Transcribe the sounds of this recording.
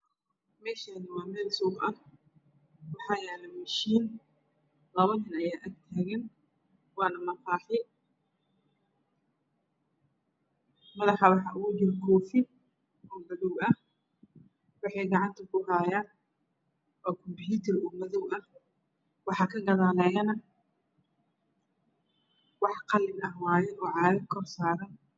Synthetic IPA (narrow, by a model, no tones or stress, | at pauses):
mɛːʃaːnɪwɑːmɛːlsɔːɡʔɐ | wɑħɑːjɛːlɐmɐʃiːn | lɐβɐnɪnɐjaːʔɐɡt̪ʰaːɣɐn | wɑːnɐmɐfaːħɪ | mɐðɑħɑwɑħɑʔʊɣʊd͡ʒɪɾkʰɔːfɪ | ɔːmɐðɔwɐh | wɑħɛjɡɑʕɑnt̪ʰʊkʰʊɦaːjaːn | ɔːkʰɔmpjuːt̪ʰɛruːmɐðɔwʔɐ | wɑħɑkʰɐɡɐðaːlɛːjɐnɐ | wɑħqɑlɪnɐhwaːjɛʔɔːʕɑːɾɐkʰɔrsaːɾɐn